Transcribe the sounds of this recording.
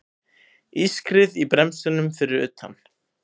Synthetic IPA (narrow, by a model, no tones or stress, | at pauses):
iskɾɪðipɾɛmsʏnʏmfɪɾɪɾʏ̰ːt̪ha̰n